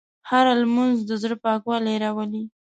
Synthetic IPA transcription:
haɾalmanzd̪əzəɽpɑkwɑlɾawəli

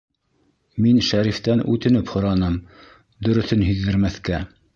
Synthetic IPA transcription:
minʃæɾift̪ænʉ̰t̪ɘ̆nɘphŏɾɑnɤm | d̪ɵ̆ɾɵ̆θɘnɦɵ̆ðːɘ̆ɾmæθkæ

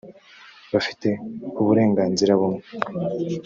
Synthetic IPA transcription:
βafi̥te̞uβuɾe̞ːŋɡaːnziɾaβumŋe

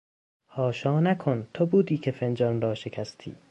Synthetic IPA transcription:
hɒːʃɒːnækʰont̪ʰobuːd̪iːkʰe̞fend͡ʒɒnrɒːʃe̞kʰæst̪ʰḭː

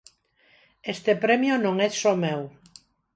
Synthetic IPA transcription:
est̪epɾɛmjonõŋɛsomew

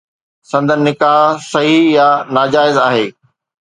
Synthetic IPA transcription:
sɐ̃nd̪ʱənnːɪkaːɦsɐɦijanaːd͡ʑaːɪzaːɦeː

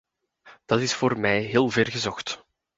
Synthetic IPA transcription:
d̥ɑtɪsfoːrmɛjɦeːlˠvɛrɣəzɔxt

